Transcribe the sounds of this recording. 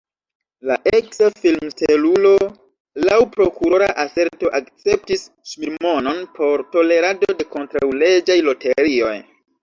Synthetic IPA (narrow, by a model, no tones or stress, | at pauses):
la̰ʔe̞ksafilmstelulo̞ | lawpɾo̞kuɾo̞ɾa̰ʔase̞ɾto̞ʔakt͡se̞p̚tis | ʃmiɾmo̞no̞npʰo̞ɾto̞le̞ɾado̞de̞ko̞ntɾawle̞d͡ʒajlo̞te̞ɾio̞̰j